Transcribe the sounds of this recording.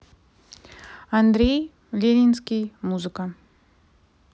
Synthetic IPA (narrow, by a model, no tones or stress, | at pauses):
ɐnd̪ɾʲej | lʲenʲinskʲijmuzɨkə